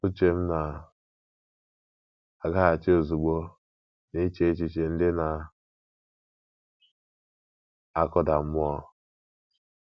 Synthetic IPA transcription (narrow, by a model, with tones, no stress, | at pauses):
u˦t͡ʃe˨m̩˦na˨ | a˨ɡa˦a˨t͡ʃe˦o˨zu˨ɡ͡bo˦ | ni˦t͡ʃe˦t͡ʃi˨t͡ʃe˨n̩˦dɪ˦na˨ | a˨kʊ˦da˨m̩˦mʊ˦ɔ˦